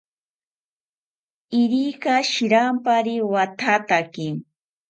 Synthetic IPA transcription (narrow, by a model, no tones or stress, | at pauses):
ɪɾikaʃɪɾampaɾɪwat̪ʰat̪akɪŋ